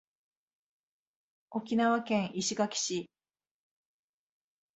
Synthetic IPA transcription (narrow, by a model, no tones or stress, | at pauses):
o̞kʲinaβakẽ̞ɰ̃ʔiɕiɡakʲi̥ɕi